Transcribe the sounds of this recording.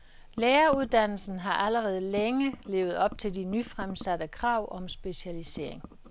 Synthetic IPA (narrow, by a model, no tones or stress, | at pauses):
leːɐuð̞ˠd̥æn̰l̩sn̩ɦɑ̈ʔæləʁɛːð̞ˠəleŋəle̝ːʊð̞̩ˠɒ̽b̥̚t͡sʰe̝ld̥inyfʁamsæd̥əkʰʁɑ̈ʊ̰ʔɒ̽msb̥e̝ɕælise̝̰ɐ̰eŋ